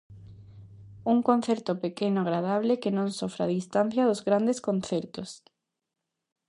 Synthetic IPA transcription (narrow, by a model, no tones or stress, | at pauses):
uŋkonθɛɾt̪opekenoaɣɾað̞aβ̞lekenõŋsofɾaðist̪an̟θjaðʊzɣɾand̪eskonθɛɾt̪ʊs